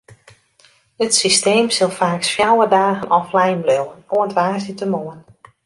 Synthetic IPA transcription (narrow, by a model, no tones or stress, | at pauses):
ətsisteːmsɪlˠfaːksfjawədaːɣənʔɔflɛjmbløwənoətʋaːsitəmoən